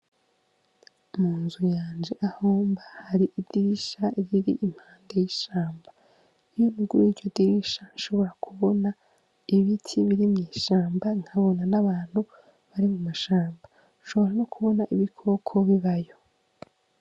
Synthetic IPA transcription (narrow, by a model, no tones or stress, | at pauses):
muːnzujaːnd͡ʒe̞ʔahoːmbahaɾiʔid̥iɾiʃaiβiɾḭʔim̥haːndejiʃaːmba | ijonuɡwiːɾɟodiɾiʃanʃo̞βo̞ɾakʰuβo̞na | iβitʰiβiɾimɲiːʃaːmbaŋ̥haβo̞nanaβaːn̥hu | βaɾimumaʃaːmba | nʃo̞βo̞ɾanokʰuβo̞naʔiβikʰo̞kʰo̞βiβajo̞